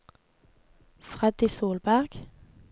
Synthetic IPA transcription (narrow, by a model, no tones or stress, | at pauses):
fʁɛd̪iːsoːlbæʁɡ̥